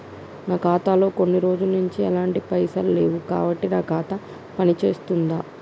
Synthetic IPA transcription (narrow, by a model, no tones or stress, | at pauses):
naːkaːt̪aːlo̞ːko̞nːiɾo̞ːd͡ʒunuɲt͡ʃiɐlaːɳʈipɐjsaːlle̞ːwuka̰ːbɐʈːinaːkaːt̪ɐ | pɐnit͡ʃe̞ːst̪und̪aː